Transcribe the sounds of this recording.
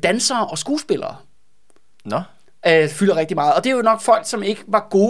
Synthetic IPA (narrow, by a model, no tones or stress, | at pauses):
d̥ænsɐːʔɒ̽sɡ̥uːsb̥e̝lɐ̰ː | n | fylɐʁɛɡ̥̚d̥imɑ̈ːð̞̩ˠɒ̽d̥e̝jonɒ̽ɡ̥fɒ̽l̰ɡ̥sɒ̽me̝ɡ̥əʋɑ̈ɡ̥o̝ː